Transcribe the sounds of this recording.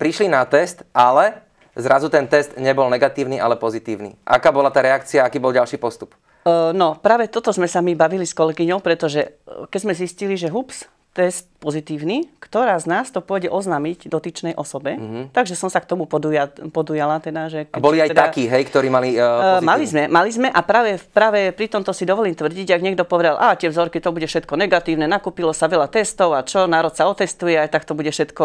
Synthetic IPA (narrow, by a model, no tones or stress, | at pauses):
pɾiʃlinat̪ɛst̪ʔalɛ | zɾazut̪ɛnt̪ɛst̪ɲɛbɔlnɛɡat̪iːʊniʔa̰lɛpɔzit̪iːʊnḭʔa̰kaːbɔlat̪aːɾɛakt͡siaakiːbɔlɟalʃiːpɔst̪up | nɔpɾaːʋɛt̪ɔt̪ɔzmɛsamibaʋiliskɔlɛɡiɲɔʊpɾɛt̪ɔʒɛkɛɟzmɛzisciliʒɛɦups | t̪ɛst̪̚pɔzit̪iːʊnikt̪ɔɾaːznaːst̪ɔpʊɔɟɛʔɔznaːmiɟd̪ɔt̪it͡ʃnɛjʔɔsɔbɛt̪aɡʒɛsɔmsakt̪ɔmupɔd̪ujapɔd̪ujalat̪ɛd̪aʒɛkbɔliiaj̪ɛd̪akiːɦɛjkt̪ɔɾiːmalimalizzmɛmalizmɛʔapɾaːʋɛpɾaːʋɛpɾit̪ɔmt̪ɔsid̪ɔʋɔliːmt̪ʋr̩ɟiɟʒaɡɲɛɡd̪ɔpɔʋɛd̪alʔat̪ɪɛvzɔɾkit̪ɔbuɟɛfʃɛt̪̚kɔnɛɡat̪iːʊnɛnakuːpilɔsaʋɛlat̪ɛst̪ɔʊat͡ʃɔnaːɾɔt̪saɔt̪ɛst̪ujɛajt̪akt̪ɔbuɟɛfʃɛt̪kɔ